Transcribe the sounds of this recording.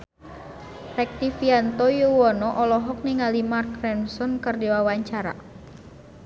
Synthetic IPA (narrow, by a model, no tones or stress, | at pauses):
rɛk̚t̪ifiant̪ɔjuwɔnɔʔɔlɔɦɔk̚niŋalimarkrɛnsɔnkərdiwawaɲt͡ʃaɾa̰